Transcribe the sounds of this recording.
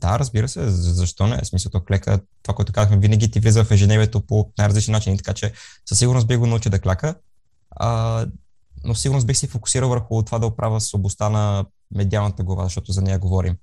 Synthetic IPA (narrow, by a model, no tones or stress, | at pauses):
d̪a̰ɾəzbiɾəsɛzɐʃt̪ɔnɛ̰ɛ̰smisɐlˠt̪ɔklɛkə̰t̪ːovakoʊɛt̪ʊ̥kazəxmɛvinəɡ̟it̪ivlizəfɛʒɛnɛviɛt̪oponajɾɐzlit͡ʃnnat͡ʃinit̪ɐkat͡ʃɛsəsiɡʊɾnos̬̚biɣɡonɐut͡ʃid̪ɐklʲakə | ə | nofsiɡʊɾnos̬bixsɛfokʊ̥siɾəlˠvəɾxʊt̪ovad̪ɐʊpɾʔavʲəsoblˠɐst̪anɐ | mɛd̪ialˠnət̪əɡlˠɐva̰zɐʃt̪ɔt̪ʊzɐnɛjəɡovɔɾḭm